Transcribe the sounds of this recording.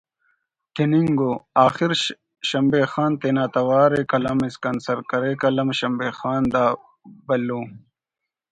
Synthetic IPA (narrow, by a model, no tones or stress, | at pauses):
t̪ʰiniŋɡoaːxiɾ | ɕɐmbeːxaːnt̪eːnaːt̪ɐwaːɾekɐlɐmiskɐnsɐɾkɐɾekɐlɐmɕɐmbeːxaːnd̪aː | bɐlːoː